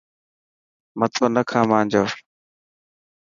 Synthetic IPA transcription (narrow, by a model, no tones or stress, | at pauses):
mət̪ʰoːnəkʰãːmãːnd͡ʒoː